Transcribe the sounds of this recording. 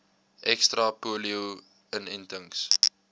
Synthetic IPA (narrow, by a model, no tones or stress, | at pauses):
ʔɛkstrɐpuəliu | ənɛntəŋs